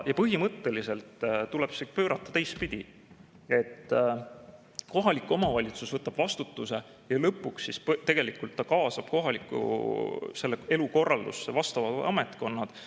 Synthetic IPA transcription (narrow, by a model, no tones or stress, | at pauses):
jɑpɤɦimɤt̪ːe̞lise̞lt̪t̪ulɛ̞b̥i̥ekpø̞ːɾɑt̪ːˑɑ̥t̪e̞js̚pid̪̥ʲi | e̞t̪ː | ko̞ɦɑlikːˑuo̞mɑvɑlʲit̪susvɤt̪ːˑɑb̥vɑst̪ut̪ːuse̞ | jɑlɤpːˑuksːisp̪ːe̞ɡ̥e̞likult̪ːɑkɑːsɑb̥ko̞ɦɑlikːˑṵse̞lːee̞luko̞rːɑld̪usevɑst̪ɑvɑd̪ɑ̰me̞t̪ˑko̞nːɑd̪̥